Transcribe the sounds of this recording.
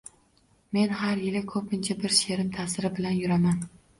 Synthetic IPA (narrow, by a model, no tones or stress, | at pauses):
me̞nhaɾjɪlɪkʰɵpɪnt͡ʃʰabɪɾʃe̞ɾɪmt̪ʰasɪɾɪbɪlanjʊɾaman